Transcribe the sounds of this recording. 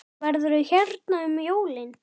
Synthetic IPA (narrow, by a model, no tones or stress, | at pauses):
vɛɾðʏɾʏçɛɾt̪naʏmjoːwlɪn